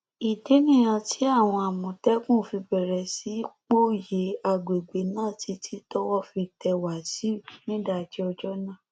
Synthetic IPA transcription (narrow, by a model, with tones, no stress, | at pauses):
i˨de˨˦nĩ˦˨j̃ã˧tʰi˨˦a˦˨w̃ɔ̃˧a˨mɔ̃˨tɛ˦kũ˦˨fi˧bɛ˨ɾɛ˨si˨˦k͡po˦˨je˨˦a˨ɡ͡be˨ɡ͡be˨˦nãː˦˨ti˨˧˦tʰi˦tɔ˦wɔ˦fi˧tɛ˧wa˨si˨˦˨nĩ˦da˧˨d͡ʒi˨˦ɔ˧d͡ʒɔ˦nãː˦˨